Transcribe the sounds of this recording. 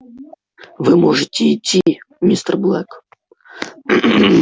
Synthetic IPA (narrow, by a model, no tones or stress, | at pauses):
vɨmɔʐɨtʲɪitʲːimʲist̪ərblˠɛk